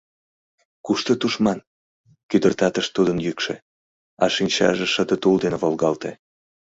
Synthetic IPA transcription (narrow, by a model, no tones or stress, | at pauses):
kuʃt̪ot̪uʃmɑn | kyd̪ərt̪ɑt̪əʃt̪ud̪ənjykʃḛ | ɑʃinʲt͡ɕɑ̰ʒeʃəd̪ət̪uld̪enevolɣɑlt̪e